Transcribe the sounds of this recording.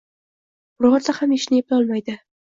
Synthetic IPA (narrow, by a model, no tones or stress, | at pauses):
ʊɾʊʁat̪sahameʃɪnɪep̚lʲɒlˠmajd̪ɪ